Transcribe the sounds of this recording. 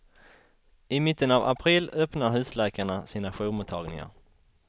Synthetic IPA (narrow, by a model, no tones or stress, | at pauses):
ɪmɪt̪ːənava̰pʰɾɪlːœpnaɾɦʉ̟ːslɛːkaɳasiːnaɧuːmʊt̪ʰːɑːɡnɪ̰ŋa̰ɾ